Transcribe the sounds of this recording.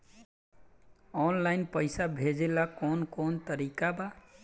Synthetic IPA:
ɔnlajnpəjsabʱed͡ʒelakonkont̪əɾikaba

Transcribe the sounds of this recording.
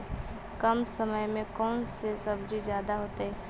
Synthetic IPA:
kəmsəməjmẽkɔːnsesəbd͡ʒid͡ʒjaːd̪aɦoːt̪eɦɛ

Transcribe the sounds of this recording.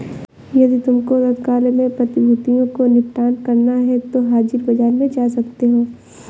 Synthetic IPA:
jɐd̪it̪ʊmkoɾɐd̪kaːlemẽpɾɐt̪ɪbʱʊt̪ijõkonɪpʈaːnkɐɾnaɦɛt̪oɦaːd͡ʒɪɾbɐd͡ʒaːɾmẽd͡ʒaːsɐkt̪eɦoː

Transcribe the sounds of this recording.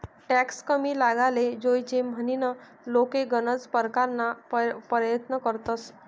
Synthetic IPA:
ʈɛkskəmiːlaɡaled͡zojt͡ɕem̤əninə | lokeɡənət͡spəɾkaɾnappəɾjət̪nəkəɾt̪əs

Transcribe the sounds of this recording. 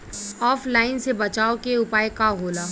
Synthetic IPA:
ɔːfʰlaːɪnsebɐt͡ʃaːokeʊpaːjkaɦoːlaː

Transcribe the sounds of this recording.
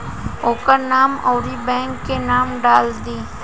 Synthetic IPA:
oːkəɾnaːmɔːɾibɛ̃ːŋkːenaːmɖaːld̪iː

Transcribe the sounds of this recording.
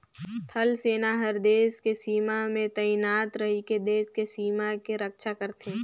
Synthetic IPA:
t̪ʰəlseːnaɦəɾd̪eːskesiːmamẽt̪ɐɪnaːt̪ɾɐɦiked̪eːskesiːmakeɾəkʃakəɾt̪ẽː

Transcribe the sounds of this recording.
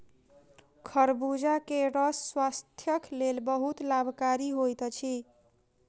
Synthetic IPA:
kʰəɾbud͡ʒakeɾʌsːwast̪ʰjəklelbəɦut̪labʱkaɾiɦojt̪t͡ʃʰi

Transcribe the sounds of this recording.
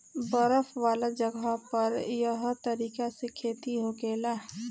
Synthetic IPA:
bəɾəfʋaːlad͡ʒɐɡapɐɾjɐɦt̪ɐɾiːkasekʰeːt̪iɦoɡeːlaː

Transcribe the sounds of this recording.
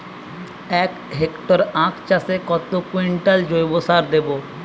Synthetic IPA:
ɛk | ɦekʈoɾãkt͡ʃasekɔt̪okwiɳʈald͡ʒojbosaɾd̪ebo

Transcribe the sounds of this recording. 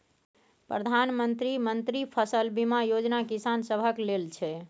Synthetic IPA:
pɾəd̪ʱanmənt̪ɾimənt̪ɾipʰəsəlbimajod͡ʒnakisansəbʱəklelt͡ʃʰɛ

